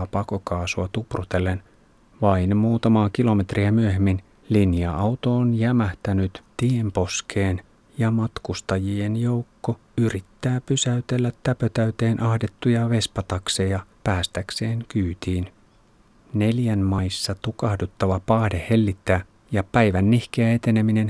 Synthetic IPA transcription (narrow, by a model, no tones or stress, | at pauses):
pɑkokɑːsuɑt̪uprut̪e̞lːen | ʋɑinmuːt̪ɑmɑːk̟ilo̞me̞t̪riæmyøhemːin | linjɑʔɑwt̪oonjæmæht̪ænyt̪t̪iempo̞skʰeːn | jɑmɑt̪kust̪ɑjienjo̞wkːo | yrit̪ːæːpysæyt̪elːæt̪ːæpøt̪æyt̪e̞ːnʔɑhde̞t̪ːujɑʋe̞spɑt̪ɑksejɑpæːst̪ækse̞ːŋkyːt̪iːn | ne̞ljænmɑjsːɑt̪ukɑhdut̪ːɑʋɑpɑːhdehe̞lːit̪ːæː | jɑpæjʋænːihkeæet̪e̞ne̞mine̞n